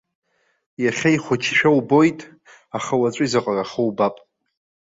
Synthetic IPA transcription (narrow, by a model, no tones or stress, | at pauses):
jaχʲajχʷʊt͡ʃʰʃᶣawbo̞jtʼ | aχawat͡sʷʼʊizaqʼaraχəwbapʼ